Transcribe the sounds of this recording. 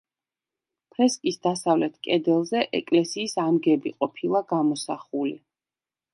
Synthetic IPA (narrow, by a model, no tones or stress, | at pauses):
pʰɾɛskʼisd̪asavlɛt̪ʰkʼɛd̪ɛlˠzɛʔɛ̰kʼlɛsiːsamɡɛbiqʼɔpʰilˠaɡ̥amɔsaχuli